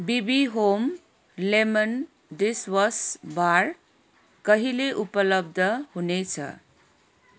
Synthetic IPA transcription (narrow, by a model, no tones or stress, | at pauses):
bibiɦom | lemən | diswʌsbaɾ | kʌɦileʔupəlʌb̚d̪ʱəhunet͡ʃʰʌ̰